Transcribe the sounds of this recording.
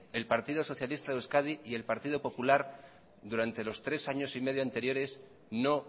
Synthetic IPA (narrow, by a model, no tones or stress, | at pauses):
e̞lpaɾt̪iðo̞so̞θjalist̪aðeskaðiːe̞lpaɾt̪iðo̞po̞pulaɾ | d̪uɾant̪e̞lo̞st̪ɾe̞saɲo̞sime̞ð̞joant̪e̞ɾjo̞ɾe̞s | no̞